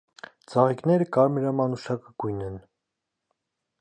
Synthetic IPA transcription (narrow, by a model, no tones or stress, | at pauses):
t͡sɑʁiknɛɾəkɑɾmɛɾɑmɑnuʃɑkəɡ̥ujnɛn